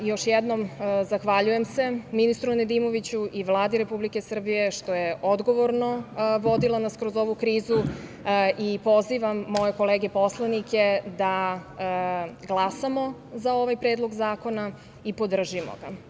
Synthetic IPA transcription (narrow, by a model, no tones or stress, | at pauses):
jo̞ʃjed̪no̞mzaxʋaʎuje̞mse̞minist̪ɾuned̪imo̞ʋit͡ɕuʔiʋlˠaːd̪iɾe̞publike̞sr̩bije̞ʃt̪ojeʔod̪ɡo̞ʋoɾno̞ʋo̞d̪ilˠanaskɾo̞zo̞ʋukɾiːzu | ʔipo̞ziʋamːo̞je̞ko̞leːɡe̞po̞slˠaniked̪a | ɡlˠasamo̞zao̞ʋajpɾeːd̪lˠo̞ɡzaːko̞na | ipo̞d̪r̩ʒimo̰ɡa